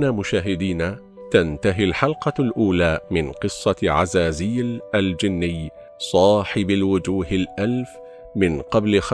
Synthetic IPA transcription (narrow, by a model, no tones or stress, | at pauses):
naːmʊʃaːɦɪd̪iːna | t̪ant̪aɦɪlħɑlqɑlʔuːlaːmɪnqɨsˤːɑʕa̰zaːziːlʔald͡ʒɪnːɪj | sˤɑːħɪbalwʊd͡ʒuːɦɪlʔalf | mɪnqɑblx